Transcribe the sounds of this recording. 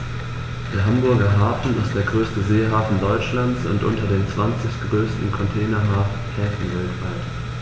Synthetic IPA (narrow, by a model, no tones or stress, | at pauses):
d̥eːɐɦambʊɐɡɐɦaːfn̩ɪst̚d̥eːɐɡʁøːstəzeːɦaːfn̩dɔʏt͡ʃlant͡sʊ̰ntʔʊ̰ntɐdeːmt͡sv̥ant͡sɪçɡ̥ʁøːstn̩kʰɔntʰɛːnɐɦaːf | hɛːfn̩vɛltv̥aɪt